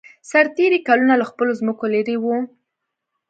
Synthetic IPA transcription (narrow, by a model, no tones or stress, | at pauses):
saɾt̪eɾikalunalaxpəlozməkolaɾewu